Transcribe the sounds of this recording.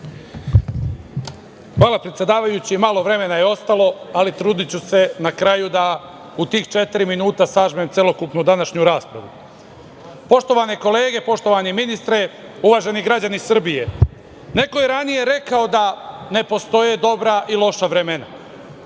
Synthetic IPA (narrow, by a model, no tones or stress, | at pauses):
xʋaːlˠapɾet̪sʲje̞d̪aːʋajut͡ɕimaːlˠo̞ʋɾe̞me̞najeo̞st̪alˠo̞alit̪ɾuːd̪it͡ɕuse̞nakɾajud̪a | ut̪iːxt͡ʃe̞t̪iɾiminuːt̪asaːʒmemt̪sjelˠokupnud̪anaʃɲuɾaːspɾa̰ʋu | po̞ʃt̪o̞ʋaneko̞leːɡe̞po̞ʃt̪o̞ʋaniminist̪ɾe̞ | uʋaːʒe̞niɡɾad͡ʑanisr̩bije̞ | ne̞kojeɾanije̞ɾe̞kaod̪ane̞po̞st̪o̞je̞d̪o̞bɾaʔilˠo̞ʃaʋɾe̞mena̰